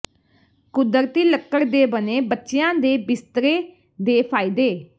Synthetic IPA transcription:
kʊd̪əɾt̪iːləkːəɾd̪eːbəneːbətːʃejãːd̪eːbɪst̪ɾeː | d̪eːpʰaːiːd̪eː

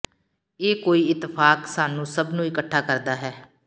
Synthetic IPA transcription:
eːkoːiːɪt̪ːɪpʰaːksaːnũːsəbnũːɪkəʈʰːaːkəɾd̪aːɦɛː

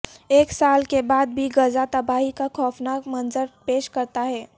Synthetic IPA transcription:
eːksaːlkebaːd̪̚bʱiɡəzat̪ɐbaːɦikakʰɔːfnaːkmɐnzəɾpeːʃkɐɾt̪aɦɛː

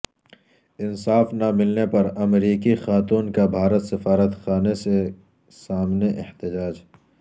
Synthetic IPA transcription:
ɪnsaːfnamɪlnepɐɾɐmɾiːkixaːt̪uːnkabʱaːɾət̪sɪfaːɾət̪xaːnese | saːmneʔɪht̪ɪd͡ʒaːd͡ʒ

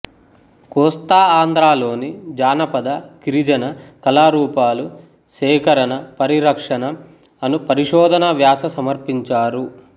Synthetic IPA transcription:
kɔːst̪aːaːnd̪ɾaːlo̞ːnid͡ʒaːnɐpɐd̪ɐkiɾid͡ʒɐnɐkɐlaːɾuːpaːlu | ʃɛːkɐɾɐnɐpɐɾiɾɐkʂɐnɐ | ɐnupɐɾiʃɔːd̪ʱɐnɐʋjaːsɐsɐmɐɾpiɲt͡ʃaːɾu

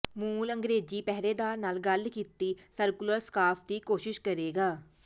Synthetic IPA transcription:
muːləŋɡɾeːd͡ʒiːpɛɦɾeːd̪aːɾnaːlɡəlkiːt̪iːsəɾkʊləɾskaːpʰd̪iːkoːʃɪʃkəɾeːɡaː

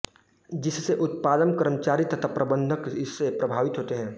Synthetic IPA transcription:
d͡ʒɪsseʔʊt̪̚paːd̪ənkəɾmət͡ʃaːɾit̪ɐt̪ʰapɾɐbə̃nd̪ʱəkɪsːepɾɐbʱaːʋɪt̪ɦoːt̪eɦɛ̃ː

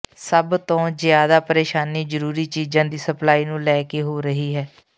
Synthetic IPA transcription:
səbt̪õːzjaːd̪aːpəɾeːʃaːniːzəɾuːɾiːt͡ʃiːd͡ʒãːd̪iːsəplaːiːnũːlɛːkeːɦoːɾəɦiːɦɛː

